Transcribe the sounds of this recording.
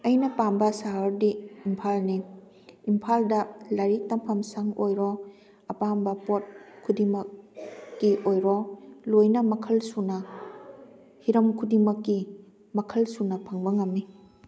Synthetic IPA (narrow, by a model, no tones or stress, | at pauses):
ɐjnɐpambɐsaɦɐɾdiːmpʰalniː | mpʰaldɐlaɾitɐmpʰɐmsaŋojɾɔ | ɐpambɐpot̚kʰudimɐk̚ː | iʔojɾɔlojnɐmɐkʰɐlsunɐ | hiɾɐmkʰudimɐkːi | mɐkʰɐlsunɐpʰɐŋbɐŋɐmːi